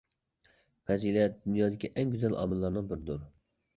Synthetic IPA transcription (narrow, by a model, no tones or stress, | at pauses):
pɛzilɛt̪̚d̪ynjɑːd̪ɪkʲʰiʔɛŋɡʲyzɛlɑ̰ːmɨlːɑɾnɨŋbɪɾd̪uɾ